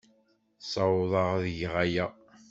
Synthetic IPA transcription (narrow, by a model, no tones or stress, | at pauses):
sˤɑwðˤɑʁðʝʁajæ